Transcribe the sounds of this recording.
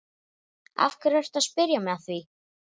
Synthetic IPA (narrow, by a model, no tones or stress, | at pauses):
a̰fkʏɾvɛr̥t̪aðspɪɾjamɛðaθvi